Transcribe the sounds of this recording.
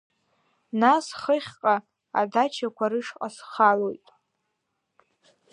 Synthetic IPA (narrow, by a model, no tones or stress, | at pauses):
nasχəχʲqʼa | a̰dat͡ʃʰakʷʰaɾɨʂqʼasχalo̞jtʼ